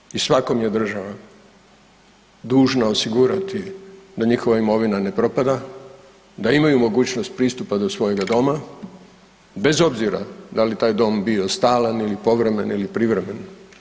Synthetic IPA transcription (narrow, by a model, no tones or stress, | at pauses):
isʋako̞mje̞d̪r̩ʒaʋa | d̪uːʒnao̞siɡuɾat̪id̪aɲixo̞ʋaimo̞ʋinane̞pɾo̞pad̪a | d̪aimajumo̞ɡuːt͡ɕno̞st̪̚pɾiːst̪upad̪o̞sʋo̞je̞ɡad̪o̞ma | be̞zo̞bziɾa̰d̪alit̪aːjd̪o̞ːmbio̞st̪aːlanilipo̞ʋɾe̞me̞nilipɾiʋɾe̞me̞n